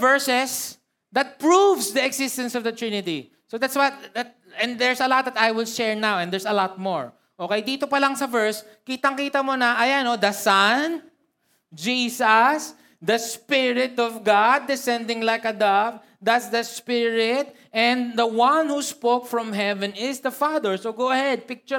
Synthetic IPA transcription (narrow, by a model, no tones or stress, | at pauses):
vɛɹsɛs | d̪ɐt̪̚pɹuvsd̪iɛɡsɪst̪ɐ̃nsɔvd̪ɐt̪ɹinɪt̪i | sod̪at̪swɐt̪̚d̪at̪̚ | ɛ̃nd̪d̪ɛɹsɐlɔt̪̚d̪ɐt̪ajwɪlʃɛɹnawɛ̃nd̪ɛɹsɐlɔt̪̚moɹ | ʔokejd̪iːt̪opɐlaŋsɐvɛɹs | kiːt̪ɐŋkiːt̪ɐmonɐʔɐjanod̪ɐsãn | d͡ʒiːsɐs | d̪ɐspɪɹɪt̪ɔvɡad̪ːɪsɛ̃nd̪ɪ̃ŋlajkɐd̪av | d̪at̪sd̪ɐspɪɹɪt̪̚ | ʔɛ̃nd̪d̪ɐwãnhuspokfɹɔ̃mɦɛvɛ̃nɪsd̪ɐfad̪ɛɹsoɡowɐhɛd̪̚pɪk̚t͡ʃʊ